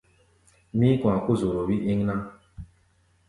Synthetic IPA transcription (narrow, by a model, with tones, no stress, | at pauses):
mi˦kʷa˨kʊ˦zo˨ɾo˨wi˦ʔi˦ŋ˦na˦